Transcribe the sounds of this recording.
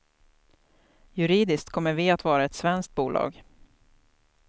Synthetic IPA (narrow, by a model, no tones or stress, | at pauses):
jɵɾiːd̪ɪsk̚t̪̚kʰɔmːəɾvɪat̪vɑːɾaɛt̪svɛnsk̚t̪̚buːlʔɑ̰ːɡ